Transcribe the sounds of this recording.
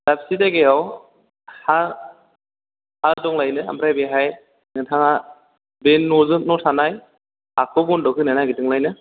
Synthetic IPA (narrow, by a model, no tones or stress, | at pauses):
dapsitaɡejaw | ha | hadɔŋlajnɯa̰mbɾajbeɦaj | nɯtʰaŋa | benːɔzɯt̚nɔtʰanaj | akʰɯbundɔkʰɯnanaɡidɯŋlajnɯ